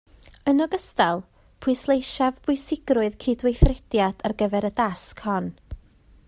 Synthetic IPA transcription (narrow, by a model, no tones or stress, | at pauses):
ənɔɡəstalˠ | pʰʊɨslˠejʃavbʊɨsɪɡrʊɨðkʰɪdwejθrɛd̥jad̥arɡəvɛɾədaskʰhɔn